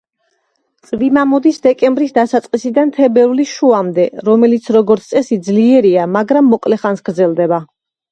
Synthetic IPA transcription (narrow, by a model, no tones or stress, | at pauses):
t̪sʼvimamɔd̪isd̪ɛkʼɛmbɾisd̪asat̪sʼqʼisid̪ant̪ʰɛbɛɾuliʃuamd̪ɛɾɔmɛlit̪sʰɾɔɡɔɾt̪ʰt̪sʼɛsid̪zliɛɾiamaɡɾamːɔkʼlɛχansɡɾd̪zɛlˠd̪ɛba